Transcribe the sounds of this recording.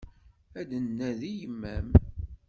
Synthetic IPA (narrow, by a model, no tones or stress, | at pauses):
æd̪ənːæðijəmːæm